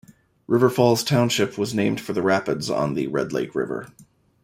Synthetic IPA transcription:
ɹɪvə˞fɔlˠz̥tʰãʊ̃nʃɪpʰwʌznẽɪ̃md̥fə˞ðɨɹæpɨdzn̩ðɨ̰ɹɛ̰dˡlḛɪkʰɹɪ̰və̰˞

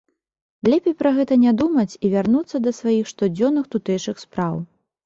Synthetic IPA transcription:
lʲɛpʲejpɾɐɣɛt̪ɐnʲad̪umɐt͡sʲivʲarnut̪sːɐd̪ɐsvajixʂt̪ɔd͡zʲɔnːɨxt̪ut̪ɛjt͡ʂɨxspɾaw

